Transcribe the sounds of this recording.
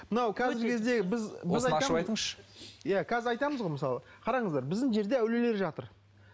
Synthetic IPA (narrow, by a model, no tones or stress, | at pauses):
mənɑwkʲʰæzɪɾkʲʰe̞zd̪e̞ɪbɪzbɪzɑj̪ɑjt̪əɴzʃə̥jakʲʰæzɪɾɑjt̪ɑməzʁo̞jməsɑlˠə | qʰɑɾɑɴəzd̪ɑɾbɪzd̪ɪŋʒe̞ɾd̪e̞æwle̞le̞ɾʒɑt̪əɾ